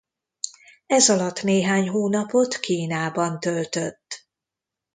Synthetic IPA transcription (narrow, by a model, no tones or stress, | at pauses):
ɛzɒlɒt̪ːneːɦaːɲɦoːnɒpo̞t̪kiːnaːbɒnt̪ølt̪øt̪ː